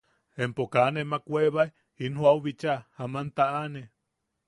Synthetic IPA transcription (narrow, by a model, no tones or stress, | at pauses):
empokanemakweβaj | inhwawβit͡ʃahamant̪aʔane